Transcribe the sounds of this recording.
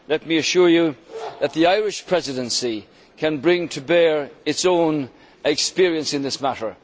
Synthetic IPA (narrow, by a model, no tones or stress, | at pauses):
lɛt̚miɨʃʊɹjɨðət̪̚ðiaɪɹɪʃpʰɹ̥ɛzɪɾə̃nsi | kʰɨ̃nbɹɪ̃ŋtʰəbɛɹɪtsõʊ̃n | ɛkspɪɹiə̃nsɨ̃nðɪsmaɾə˞